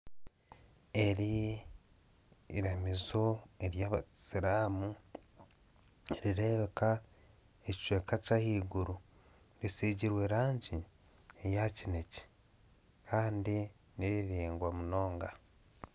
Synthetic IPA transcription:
e̞ɾi | ɾamizo̞e̞ɾjaːβasiɾaːmu | eɾiɾe̞βe̞ka | eci̥ʃweːkacahiːɡuɾu | ɾisiːɟiɾwe̞ːɾaːɲɟi | ejacine̞ci̥ | kʰaːndi | niɾiɾiːŋɡwamuno̞ːŋɡa

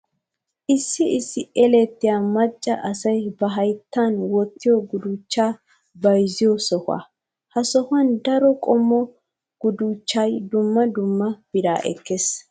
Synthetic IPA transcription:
ʔɪsːɪɪsːɪɛlɛt̪ːɪjaːmɐt͡ʃʼːɐʔɐsɐjbɐɦɐjt̪ːanwɔt̪ːɪjɔɡʊd̪ut͡ʃːaː | bɐjzɪjɔsɔhʊa̰ | hɐsɔhʊɐnd̪ɐɾɔkʼɔmːɔ | ɡ̥ʊd̪uːt͡ʃːɐjd̪ʊmːɐd̪ʊmːɐb̥ɪd̪a̰ːʔɛ̰kːes

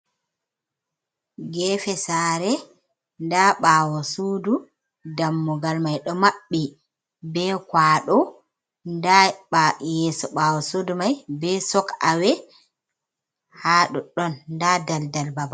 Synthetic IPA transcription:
ɡɛːfɛsaːɾɛ | ndaɓaːwɔsuːdu | damːuɡalmajɗɔmaɓːi | bɛkwaːɗɔ | ndaɓajɛsɔɓawɔsudumajbɛsɔka̰wɛ | haːɗɔɗɔnːdadaldalbaba

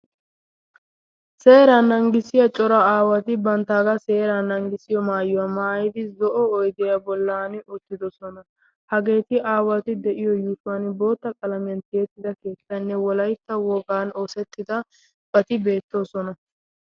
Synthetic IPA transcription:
seːɾanɐŋɡɪsɪjɐt͡ʃʼɔɾɐaːwɐt̪ɪbɐnt̪aːɡɐse̞ːɾanɐŋɡɪsɪjɔmaːjɪwɐmaːjɪd̪ɪzɔʔɔɔjd̪ɪjɐbɔlːaːnʊt̪ːɪd̪ɔsɔnɐ | hɐɡe̞ːt̪ɪʔaːwɐt̪ɪd̪ɛʔɪjɔjuːsʊwɐnbo̞ːt̪ːɐkʼɐlɐmɪjɐnt̪e̞ːt̪ːɪd̪ɐke̞ːt̪ːɐnːɛwɔlɐjt̪ːɐwɔɡaːno̞ːsɛt̪ːɪd̪ɐ | b̥ɐt̪ɪbe̞ːt̪ːo̞ːsɔnɐ

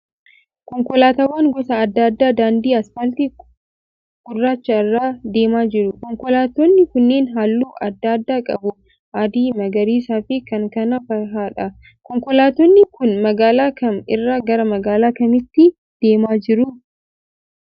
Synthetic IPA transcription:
kɔŋkɔlaːt̪aːwːaːŋɡɔsɐːd̪ːad̪ːaːd̪aːnd̪iːɐsfɐlt̪i | ɡ̥ʊrːaːt͡ʃːɐɪrːaːd̪e̞ːmaːd͡ʒɪɾʊkɔŋkɔlaːt̪ɔnːɪkʊnːeːnɦaːlːuːʔɐd̪ːaːd̪ːaːkʼɐ̰bʊ | ʔad̪iːmɐɡɐɾiːsaːfɪkɐŋkɐnɐfɐɦaːᶑɐ | kɔŋkɔlaːt̪ɔnːɪkʊnmɐɡaːlaːkɐnɪ̰rːaːɡɐɾɐmɐɡaːlaːkɐmɪt̪ːɪ | d̪̥e̞ːmaːd͡ʒɪɾʊ

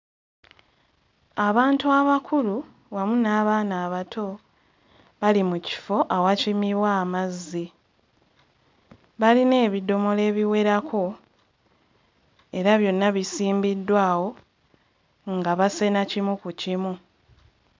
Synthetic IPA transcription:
aβaːntuaβakʰulu | wamunaːβaːnaːβatʰo̞ | βalimuci̥fo̞ʔawacimiβwamazːi | βaline̞ːβido̞mo̞le̞ːβiwe̞ɾakʰo̞ | e̞ɾaβjo̞nːaβisiːmbidːwaːwo̞ | ŋɡaβase̞nacimukucimu

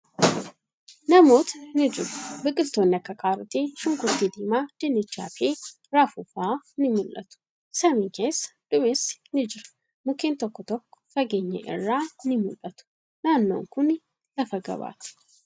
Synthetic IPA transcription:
nɐmo̞ːt̪ɐ̥nɪd͡ʒɪɾʊ̥bɪkʼɪlt̪o̞ːnːɪɐkːɐkʰaːɾʊt̪eːʃʊŋkʊɾt̪iːd̪iːmaːd̪̥ɪnːɪt͡ʃːa̰ːfeː | ɾaːfufaːnɪmʊlʔɐ̰t̪ʊ̥ | sɐmiːŋke̞ːsːɐ̥d̪̥ʊmesnɪd͡ʒɪɾɐ̥ | mʊkeːnt̪ɔkːɔt̪ɔkːɔ̥fɐɡeːɲːɐ̰ʔɪ̰rːaːnɪmʊlʔɐt̪ʊ̥ | naːnːo̞̰ːŋkʊn | lɐfɐɡɐ̰ba̰ːt̪ɪ̥

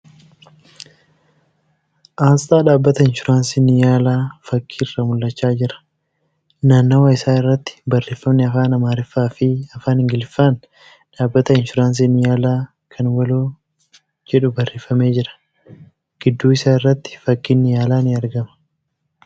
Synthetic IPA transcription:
ʔaːst̪ʼaːᶑaːbːɐt̪ɐɪnʃʊɾaːnsinɪjaːlaːfɐkʰːiːɪrːɐmʊlːɐt͡ʃːaːd͡ʒɪɾɐ̥ | naːnːɐwɐɪsaːɪrːɐt̪ːɪ̥bɐrːeːfɐmnɪɐfaːnɐmaːɾɪfːaːfɪɐfaːnɪŋɡɪlfaːn | ᶑaːbːɐt̪ɐɪnʃʊɾaːns̬inɪjaːlaː | kʰɐnwɐloː | d͡ʒɛᶑʊbɐrːeːfɐme̞ːd͡ʒɪɾɐ̥ | ɡ̥ɪd̪ːuːɪsaːɪrːɐt̪ːɪ̥fɐkːɪnːɪjaːlaːnɪɐɾɡɐmɐ̥

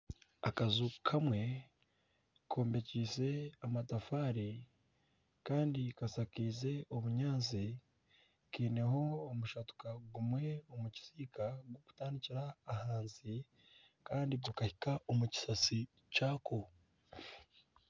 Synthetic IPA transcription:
a̰kazukʰamwe̞ | kʰo̞ːmbe̞ciːse̞amatafaːɾi | kaːndikasakiːze̞oβuɲaːnzi | kiːne̞ɦo̞ːmuʃatu̥kaɡumwe̞omuci̥siːkaɡwoku̥taːndiciɾaːhaːnzi | kaːndibokahikaomuci̥sasi | caːko

